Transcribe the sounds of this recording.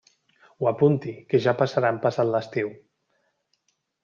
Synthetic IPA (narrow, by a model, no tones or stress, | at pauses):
wapunt̪ikeʒapasaɾampasat̪ləst̪iw